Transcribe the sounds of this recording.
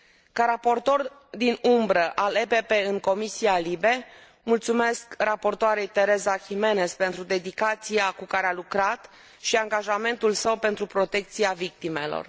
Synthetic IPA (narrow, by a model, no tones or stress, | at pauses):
kaɾapo̞rt̪o̞r | d̪inumbɾəʔalepe̞pe̞ɨŋko̞misialibe̞ | mult̪sume̞skrapo̞rt̪oaɾe̞jt̪e̞ɾe̞zaxime̞ne̞spent̪ɾud̪e̞d̪ikat̪siakukaɾealukɾat̪ | ʃiaŋɡaʒame̞nt̪ulsəwpe̞nt̪ɾupɾo̞t̪e̞k̚t̪siavik̚t̪ime̞lo̰r